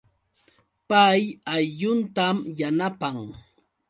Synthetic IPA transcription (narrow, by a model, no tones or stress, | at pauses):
pajajʎʊnt̪amjanapaŋ